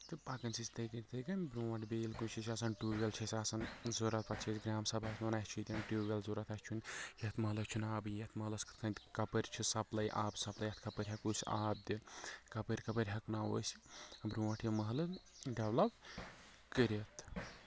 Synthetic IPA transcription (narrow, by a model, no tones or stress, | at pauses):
t̪ɨpakɐnsisʲt̪ɐjkɐnʲt̪ʰɐjkɐnʲbɾũːʋɐʈʰʲbeːlkunt͡ʃʰisʲaːsɐnʈuːɡʲɐlt͡ʃʰisʲaːsɐnzoːɾɐt̪̚pɐt̪t͡ʃʰisʲɡɾaːmsɐbasnonasʲt͡ʃʰit̪ʲɐnʈuːɡʲɐlzoːɾɐt̪ɐst͡ʃʰunjɐt̪mɐɦlɐkt͡ʃʰunaːbjɐt̪ʰmɐɦlɐskɨ̥t̪ʰkʰɐnt̪ʲkɐpɐɾʲt͡ʃʰisɐplɐjʔaːbsɐplɐjɐt̪kɐpɐɾʲɦɐkuːsʲaːb̚d̪ikɐpɨɾʲkɐpɐɾʲɦɐknaːwo̰ːsibɾuːʋɐʈʰjemɐɦlɐɖɐʋlɐp | kəɾet̪ʰ